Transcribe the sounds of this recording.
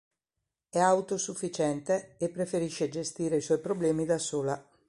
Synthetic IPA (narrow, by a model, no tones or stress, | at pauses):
ɛawt̪osufːit͡ʃɛnt̪eːpːɾefeɾiʃːed͡ʒest̪iːɾeiswɔjpɾoblɛːmid̪asoːla